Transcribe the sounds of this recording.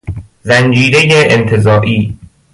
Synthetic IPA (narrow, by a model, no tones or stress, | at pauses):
zænd͡ʒiːɾejeʔent̪ʰezɒːʔiː